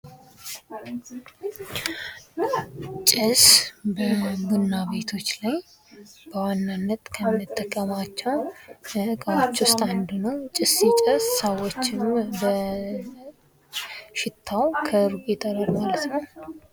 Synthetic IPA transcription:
t͡ʃʼɪsbəbunːaβe̞t̪ʰo̞t͡ʃːlaj | b̥əwanːanːət̪ʼkʰəmːɨt̪ʼːəkʼːəmat͡ʃːɛwəkʼawot͡ʃːwust̪ʰʼand̪unəwt͡ʃʼɪsit͡ʃʼəsːəwot͡ʃːɪmbə | ʃɪt̪ʰːawkʰəɾɡet̪ʼʰələɾmalət̪nəw

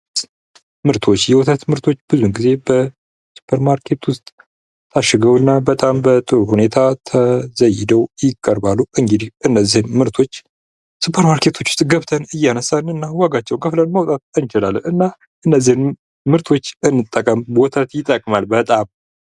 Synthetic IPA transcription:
mɨɾt̪ʰo̞t͡ʃːjɛwɔt̪ʰət̪mɨɾt̪ʰo̞t͡ʃːb̥ɨzunɡize̞bə | su̥pʰəɾmaɾkʰe̞t̪wʊst̪ʼ | t̪ʰaʃɨɡəwɨnːabət̪ʼambət̪ʼɨɾuhune̞t̪ʰat̪ʰəzəjɪd̪əwjɪkʼːəɾbalːuʔɨŋɡɨd̪ihʔɨnːəzːihɨnmɨɾt̪ʰo̞t͡ʃː | supʰəɾmaɾkʰe̞t̪ʰwot͡ʃːwʊ̥st̪ʼɡəβt̪ʰənɨjːanəsːanɨnːawaɡat͡ʃːɛwnkʰəflənmawt̪ʼat̪ʼənt͡ʃɪlalːəɨnːa | ʔɨnːəzːihɨn | mɨɾt̪ʰo̞t͡ʃːɨnːɨt̪ʼːəkʼəmwɔt̪ʰət̪jɪt̪ʼːəkʼmalbət̪ʼam

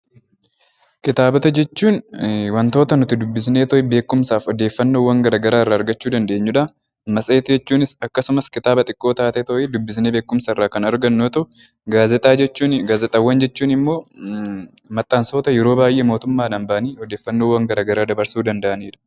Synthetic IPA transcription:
kɪt̪aːbɐt̪ɐd͡ʒɛt͡ʃːuːnwɐnt̪o̞ːt̪ɐnʊt̪ɪd̪ʊbːɪs̬ne̞ːt̪ɔʔɪbe̞ːkːʊmsaːfɔd̪e̞ːfːɐnːowːɐŋɡɐɾaːɡɐɾaːɪrːɐːɾɡɐt͡ʃːuːd̪ɐnd̪e̞ːɲːuᶑɐ | mɐsʼeːt̪ɪd͡ʒɛt͡ʃːuːnɪsɐkːɐsʊmɐskɪt̪aːbɐt̪ʼɪkʼːo̞ːt̪aːt̪ɛt̪ɔʔɪd̪ʊbːɪs̬neːbe̞ːkːʊmsaɪrːaːkɐnɐɾɡɐnːoːt̪ɐʊ | ɡaːzɛt̪ʼaːɛt͡ʃːuːnɡaːzɛt̪ʼɐwːɐnd͡ʒɛt͡ʃːuːnɪmːo̞ː | mɐt̪ʼːaːnso̞ːt̪ɐjɛɾo̞ːbaːjʔeːmo̞ːt̪ʊmːaːnɐnbɐʔɐniːɔd̪eːfːɐnːoːwːɐŋɡɐɾaːɡɐɾaːd̪ɐbɐɾsuːd̪ɐnd̪ɐʔɐniːᶑɐ̥

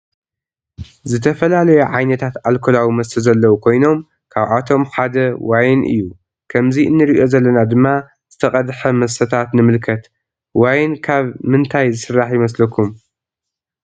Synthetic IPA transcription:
zɨt̪ʰɐfɐlalɐjuʕajnɐt̪ʰat̪alkʰolawimɐsɐzɐlːɐwukʰo̞jno̞m | kʰaβʕat̪ʰo̞mħad̪ɐwajnʔɨ̰jːu | kʰɐmziʔɨnːɨɾiʔo̞zɐlːɐnad̪ɨmːa | z̥ɨt̪ʰɐχʼɐd̪ħɐmɐsɐt̪ʰat̪nɨmɨlkʰɐt̪ | wajnkʰaβmɨnt̪ʰajzɨsɨrːaħjɪmɐslɐkʰːum

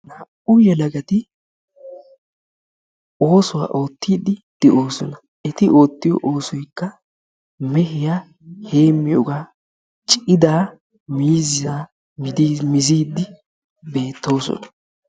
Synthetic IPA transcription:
nɐʔʊjɛlɐɡɐt̪ɪ | o̞ːsʊwa̰ʔo̞ːt̪ːiːd̪ɪd̪̥ɛʔo̞ːsɔnɐ | ɛt̪ɪʔo̞ːt̪ːɪjɔ̰ʔo̞ːsɔjkːɐ | mɛhɪja | he̞ːmːɪɔɡaː | t͡ʃʼɪd̪aː | miːzɪaː | mɪd̪mɪziːd̪ːɪ | be̞ːt̪ːo̞ːsɔ̰nɐ̥

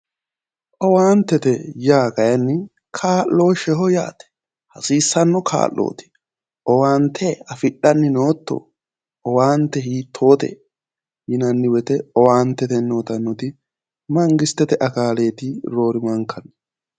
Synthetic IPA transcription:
ʔɔwaːnt̪ːɛt̪ɛjaːkɐjɐnːɪ | kʰaːʔo̞ːʃɛɦɔja̰ːt̪ɛ̥ | hɐsiːsːɐnːɔkʰa̰ːlːo̰ːt̪ɪ̥ | ʔɔwaːnt̪ʰːɛɐfɪɗːɐnːɪnoːt̪ːɔ̰ | ɔwaːnt̪ːɛhiːt̪ʰːo̞ːt̪ɛ̰ | hɪnɐnːɪwɛt̪ɛɔwaːnt̪ːɛt̪ɛnːoːt̪ɐnːɔt̪ɪ | mɐŋɡɪst̪ːɛt̪ɛʔɐkaːle̞ːt̪ɪɾo̞ːɾɪmɐŋkɐnːɛ

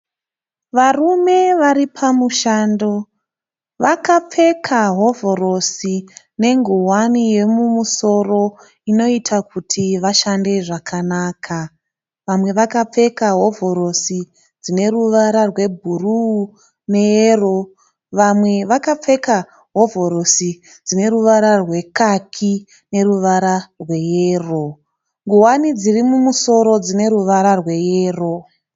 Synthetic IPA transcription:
ʋarume̞ʋaɾipʰamuʃaːndo̞ | ʋakap͡fe̞kʰaɦo̞vo̞ɾo̞si | ne̞ŋɡuɦwanije̞mumuso̞ro̞ | ino̞itʰakutʰiʋaʃande̞ʐakʰanaːkʰa | ʋamwe̞ʋakap͡fe̞kaɦo̞voɾo̞si | d͡zine̞ruʋaɾarwe̞bʱuru | ne̞jero̞ | ʋamwe̞ʋakap͡fe̞ka | ɦo̞vʱo̞ɾo̞si | d͡zine̞ruʋaɾarwe̞kakʰi | ne̞ruʋaɾarwe̞jeːro̞ | ŋɡuɦwanid͡zirimumuso̞ɾo̞d͡zine̞ɾuʋaɾarwe̞jeːro̞

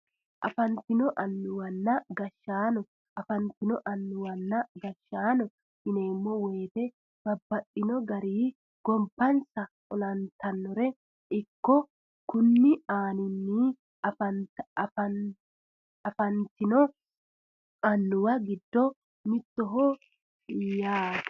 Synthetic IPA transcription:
ʔɐ̰fɐnt̪ɪnɔʔɐnːʊwɐnːɐɡɐʃːaːnɔ | ɐfɐnt̪ɪnɔʔɐnːʊwɐnːɐɡɐʃːaːnɔ | ʔɪneːmːɔweːt̪ɛ | b̥ɐbːɐɗɪnɔɡɐɾiː | ɡ̥ɔmpːɐnsɐ | ɔlɐnt̪ɐnːɔɾɛ | ʔɪkːɔ | kʊnːɪaːnɪnːiː | fɐfɐ | ɐfɐnt̪ɪnɔ | ɐnːʊwɐɡɪd̪ːɔ | mɪt̪ːɔɦɔ | jaː

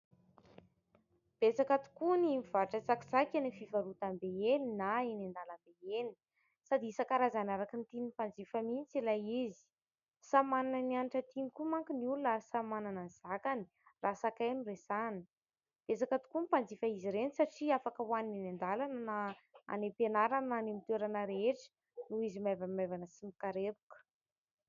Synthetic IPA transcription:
b̥esakat̪u̥kunimiv̥aʈ͡ʂət͡saki̥sakanifivaɾut̪ambeeninaenand̪alambeeni̥ | sad̪iisakaɾazanaɾakint̪inipand͡zifəminit͡silajizi̥ | samananənianiʈ͡ʂət̪inikumaŋkinulasamananənz̥akani̥ | rasakajnuresani̥ | b̥esakət̪u̥kumpand͡zifəiziɾenisaʈ͡ʂiafakəwanininend̪alananaa̰nepenaɾananimit̪eɾanəɾeʈ͡ʂə̥ | nuizimavamavanəsimikaɾebu̥kə̥

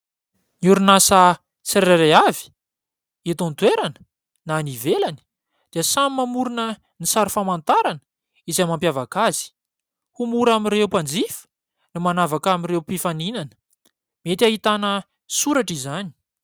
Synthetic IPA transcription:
niuɾunasa | t͡sɾeɾaɾeavi̥ | et̪ont̪weɾanə̥ | nanivelani̥ | d̪̥iəsamimamuɾunə | nisaɾufamant̪aɾanə̥ | izamampjavakaz̥i̥ | humuɾamirewupand͡zif | nimanavakamiɾewpifaninanə̥ | miet̪ʲaɦit̪anə | suɾaʈ͡ʂizani̥

